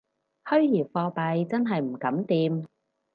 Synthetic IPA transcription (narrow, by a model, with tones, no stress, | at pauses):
hɵ˥ɥjiː˨˩fɔː˧pɐ˨jt͡sɐ˥nɦɐ˨jm̩˨˩kɐ˨˥mt̪iː˧m